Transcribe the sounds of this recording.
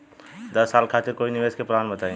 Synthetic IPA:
d̪əsːaːlkʰat̪ɪɾkoːinɪʋeːskepɾaːnbət̪aẽ

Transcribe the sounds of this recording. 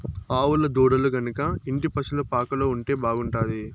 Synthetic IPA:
aːwulɐd̪uːɽɐluɡɐnukɐiɳʈipɐsulupaːkɐloːuɳʈe̞ːbaːɡuɳʈaːd̪i

